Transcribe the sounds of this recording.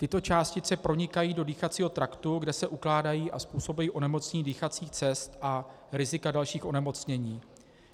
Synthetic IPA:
t̪ɪt̪o̞t͡ʃaːscɪt͡sɛpɾo̞ɲɪkajiːdo̞diːxat͡siːɦo̞t̪ɾakt̪uɡdɛsɛʔuklaːdajiːʔaspuːso̞bujiːʔo̞nɛmo̞t͡sɲɲiːdiːxat͡siːxt͡sɛst̪ʔa | ɾɪzɪkadalʃiːxʔo̞nɛmo̞t͡sɲɛɲiː

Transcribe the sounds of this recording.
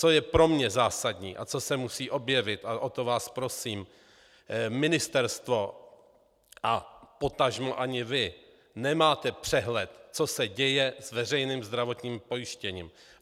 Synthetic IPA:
t͡so̞jɛpɾo̞mɲɛzaːsad̪ɲiːʔa̰t͡so̞sɛmusiːʔo̞bjɛvɪt̪ʔaʔo̞t̪o̞vaːspɾo̞siːm | mɪnɪst̪ɛɾst̪vo̞ | ʔapo̞t̪aʒmoʔaɲɪvɪ | nɛmaːt̪ɛpr̝̥ɛɦlɛt̪t͡so̞sɛɟɛjɛzvɛr̝ɛjniːmzd̪ɾavo̞t̪ɲiːmpo̞jɪʃcɛɲiːm

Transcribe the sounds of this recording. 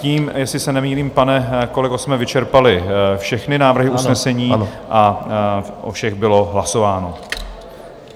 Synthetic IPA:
ciːmjɛsɪsɛnɛmiːliːmpanɛkolɪkosmɛvɪt͡ʃɛɾpalɪfʃɛxnɪnaːvr̩ɦɪʔusnɛsɛɲiːʔa | ʔo̰fʃɛɣbɪlo̞ɦlaso̞vaːno̞

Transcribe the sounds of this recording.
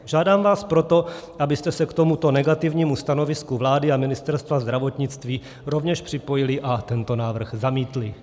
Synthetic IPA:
ʒaːdaːmvaːspɾo̞t̪o̞ʔabɪst̪ɛsɛkt̪o̞mut̪o̞nɛɡat̪ɪvɲiːmust̪ano̞vɪskuvlaːdɪamɪnɪst̪ɛɾst̪vazd̪ɾavo̞t̪ɲɪt͡st̪viː | ɾo̞vɲɛʃpr̥ɪpo̞jɪlɪʔat̪ɛnt̪o̞naːvr̩xzamiːt̪lɪ

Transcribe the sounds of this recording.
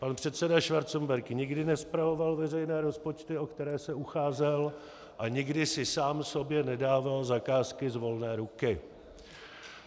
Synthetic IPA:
panpr̝̥ɛt̪sɛdaʃvaɾt͡sombɛɾkɲɪɡdɪnɛspɾavo̞valvɛrɛjnɛːɾo̞spo̞t͡ʃt̪ɪo̞kt̪ɛɾɛːsɛuxaːzɛl | ʔaɲɪɡdɪsɪsaːmso̞bjɛnɛdaːvalzakaːskɪzvo̞lnɛːɾukɪ

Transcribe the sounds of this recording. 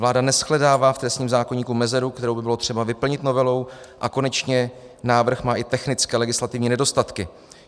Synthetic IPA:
vlaːdanɛsxlɛdaːvaːft̪ɾɛst̪ɲiːmzaːko̞ɲiːkumɛzɛɾukt̪ɛɾo̞wbɪbɪlo̞t̪r̝̥ɛbavɪpl̩ɲɪt̪no̞vɛlow | ʔako̞nɛt͡ʃɲɛ | naːvr̩xmaːʔɪt̪ɛxnɪt͡skɛːlɛɡɪslat̪ɪvɲiːnɛdo̞st̪at̪kɪ

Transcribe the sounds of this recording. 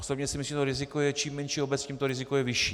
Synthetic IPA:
osobɲɛsɪimislimt̪oɾɪzɪkojɛt͡ʃiːmːɛnʃiobɛt͡scimt̪oɾɪzɪkojɛvɪʃiː

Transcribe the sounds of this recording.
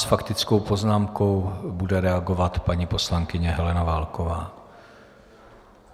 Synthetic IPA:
sfakt̪ɪt͡sko̞wpo̞znaːmko̞wbudɛɾɛaɡo̞vat̪paɲiːpo̞slaŋkɪɲɛɦɛlɛnavaːlkovaː

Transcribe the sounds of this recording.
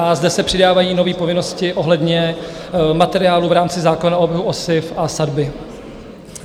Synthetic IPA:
ʔazdɛsɛpr̝̥ɪdaːvajiːno̞viːpo̞vɪno̞scɪʔo̞ɦlɛdɲɛ | mat̪ɛɾɪaːluvɾaːmt͡sɪzaːkonaobjɛɦuʔosɪfʔasadbɪ

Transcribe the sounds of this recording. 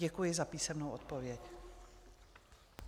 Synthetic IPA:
ɛkujɪzapiːsɛmnowʔot̪̚povjɛc

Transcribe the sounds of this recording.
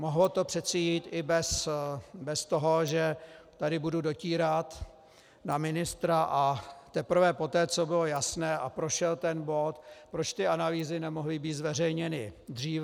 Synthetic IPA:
moɦlot̪o̞pr̥ɛt̪sɛjiːt̪ʔɪbɛs | bɛst̪oɦo̞ʒɛt̪adɪbududo̞ciːɾat̪ | namɪnɪst̪ɾaʔat̪ɛpr̩vɛpo̞t̪ɛːt͡so̞bɪlo̞jasnɛːʔapɾoʃɛlt̪ɛnbo̞t̪pɾo̞t͡ʃt̪ɪanaliːzɪnɛmo̞ɦlɪbiːt̪zvɛr̝ɛjɲɛnɪd̪r̝iːv

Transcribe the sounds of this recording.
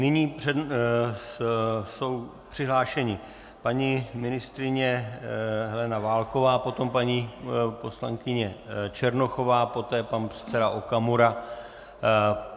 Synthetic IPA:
nɪɲiːpr̥ɛ | so̞w | pr̝̥ɪɦlaːʃɛɲɪ | paɲimɪnɪst̪ɾɪɲɛ | ɦɛlɛnavaːlko̞vaːpo̞t̪o̞mpaɲipo̞slaŋkɪɲɛt͡ʃɛɾnoxo̞vaːpo̞t̪ɛːpanpr̥ɛ̥t̪t͡sɛdaʔokamuɾa

